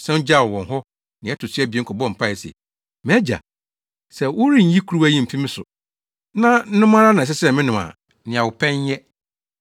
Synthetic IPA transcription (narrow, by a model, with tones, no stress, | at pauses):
sɛ̃˦n̩˦d͡ʑa˦˨wɔ˨wɔ̃˨n˨ɦɔ˦ | nɪ̃˨ɛ˦tʰʊ˨sɪ˦ɛ˦bi˨ɛ˦kʰɔ˨bɔ̃˦˨m̩˨pʰa˦˨ɛ˨sɛ̰˨ | mɛ˦d͡ʑa̰˨ | sɛ˨wʊ˦ɾĩ˦˨˦ji˦kʰu˨˦u˦æ˦jĩ˦m̩˨pʰĩ˦mɪ̃˦sʊ̰˨ | nã˦n̩˦nʊ̃˦mã˦ɾa˦nã˨s̬ɛ˦sɛ˦˨mɪ̃˦nʊ̃˨ma̰˨ | nɪ̃˨ã˨wʊ˨pʰɛ̃˦ɲ˦jɛ˦